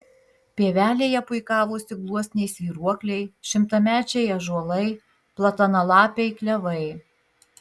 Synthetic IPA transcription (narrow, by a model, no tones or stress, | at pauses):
pʲeːʋʲæːlʲeːjɛpʊɪkɑːʋoːsʲɪɡlˠuɔsʲnʲɛɪsʲʋʲiːɾuɔklʲɛɪʃʲɪmt̪ɐmʲæːt͡ʃʲɛjɐʒuɔlˠɐɪ | plˠɐt̪ɐnɐlˠɑːpʲɛɪklʲɛʋɐɪ